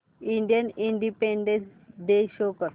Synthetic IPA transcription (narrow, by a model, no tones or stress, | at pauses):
iɳɖijəniɳɖipẽɳɖẽnsɖeʃoːkəɾ